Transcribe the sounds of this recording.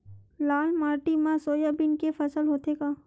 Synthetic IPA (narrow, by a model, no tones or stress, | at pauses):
laːlmaːɾʈimãsoːjabɪnkefɐsəlɦoːt̪eɡaː